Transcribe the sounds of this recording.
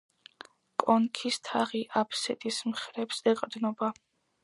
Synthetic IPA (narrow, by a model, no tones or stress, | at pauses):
kʼɔnkʰist̪ʰaʁiʔapʰsɛt̪ʼismχɾɛpsɛqʼd̪nɔba